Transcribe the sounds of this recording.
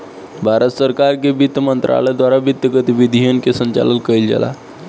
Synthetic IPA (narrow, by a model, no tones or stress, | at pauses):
bʱaɾət̪səɾkaɾkebit̪ːəmənt̪ɾa̰ɭəjd̪wʋaɾabit̪ːəɡət̪iʋid̪ʱijənkesəɲt͡ɕa̰lənkəild͡ʑa̰la̰